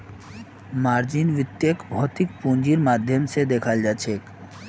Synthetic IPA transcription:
maːɾd͡ʒinʋɪt̪jəkbʱɔːt̪ɪkpũːnd͡ʒiɾmaːd̪ʱjəmsed̪eːkʰald͡ʒat͡ʃʰeːk

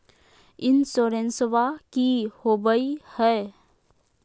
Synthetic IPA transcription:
ɪnsoːɾẽnsʋakihoːbəihɛː

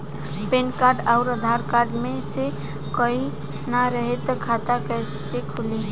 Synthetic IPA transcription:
penkaɾɖaʊɾəd̪ʱaɾkaɾɖmese | kəɦi | naɾəɦet̪ɔkʰat̪akəsekʰuli

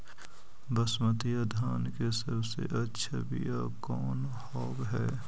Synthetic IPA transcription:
bɐsmət̪ijad̪ʱaːnkesɐɾbsḛʔɐtːʃʰabḭja | kɔːn | hɔːkɦɛː

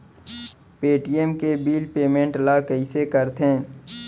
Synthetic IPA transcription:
peːʈiemkebiːlpeːmẽːɳʈlakəisekəɾt̪ẽː

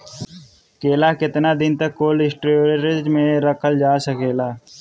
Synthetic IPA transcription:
keːlaːkɪt̪naːd̪ɪnt̪əkːoːlɪsʈɾoɾeɾɪd͡ʒmẽɾəkʰəld͡ʒaːsəkeːlaː

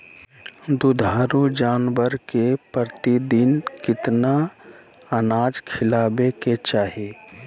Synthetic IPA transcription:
d̪ʊd̪ʱaːɾud͡ʒaːnbəɾkepɾəɾt̪id̪ɪnkɪt̪na | ənaːd͡ʒkʰɪlaːbeket͡ʃaːɦeː

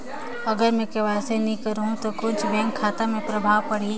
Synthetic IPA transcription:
ɐɡəɾmɛ̃keʋaːsenikəɾɦũt̪okʊ̃t͡ʃʰbɛ̃ːŋkʰːaːt̪amẽpɾɐbʱaːʋpɐɽ̤i

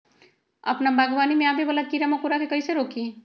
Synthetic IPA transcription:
ə̰pnabʱaɡbanimeabebəlad̪̚kiɾamakuɾakʰekəjseɾokʰi

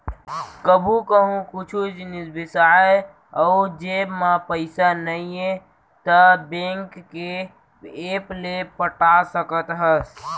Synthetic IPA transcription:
kəbʱũkəɦũkʊt͡ʃʰud͡ʒnɪsbɪsae | ɔʊd͡ʒebmãpəɪsanəiẽ | t̪əbẽŋkːe | eplepəʈasəkət̪ɦəs

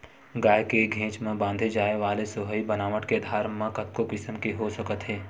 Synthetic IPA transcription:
ɡaːjkeɡʱẽːt͡ʃmẽbãːnd̪ʱed͡ʒaːeʋaːlesoɦəibənaːʋəʈked̪ʱaːɾmẽkət̪̚kokɪsəmkiɦosəkət̪ɦɛː

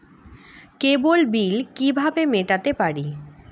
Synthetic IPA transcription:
kebolbilkibʱabemeʈat̪epaɽi

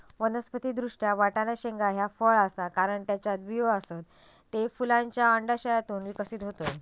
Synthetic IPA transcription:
ʋənəspət̪iːd̪ɾuʂʈjaʋaʈanaɕeŋɡaɦjafəɭasakaɾəɳʈjat͡ɕad̪̚bʱijoəsat̪ː | efulãɲt͡ɕjaəɳɖaɕəjat̪uːnʋikəsiːt̪ɦot̪oj

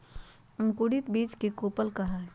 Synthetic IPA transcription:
əŋkuɽit̪biːt͡ʃkekopəlkɐɦa

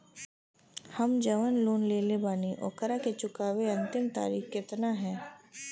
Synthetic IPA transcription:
hɐmd͡ʒɐʋənloːnleːlebaːniʔɔ̰ːkəɾaket͡ʃʊkaːʋeɐ̃nt̪ɪmt̪a̰ːɾiːxkɪt̪naɦɛː

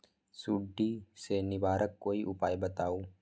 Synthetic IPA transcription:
suɖːiːseːnːɪbaːɾʔɐkːojɪʔʊpaːjbɐt̪aːwʊ

